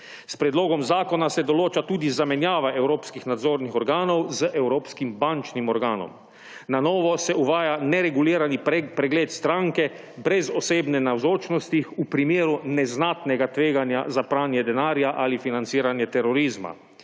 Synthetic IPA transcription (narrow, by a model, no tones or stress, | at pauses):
spɾɛd̪loːɡɔmzaːkɔnasɛd̪ɔloːt͡ʃat̪uːd̪izamɛnjaːʋaʔɛwɾoːpskixnad̪zoːɾnixɔɾɡaːnɔwzəʔɛwɾoːpskimbant͡ʃnimɔɾɡaːnɔ̰m | nanɔːʋɔsɛuʋaːjanɛɾɛɡuliːɾanipɾɛɡleːt̪st̪ɾãŋkɛ | bɾɛzɔseːbnɛnawzoːt͡ʃnɔst̪ixupɾimeːɾunɛznaːt̪nɛɡat̪ʋeːɡanja̰zapɾaːnjɛd̪ɛnaːɾjaʔalifinant̪siːɾanjɛt̪ɛɾɔɾiːzma̰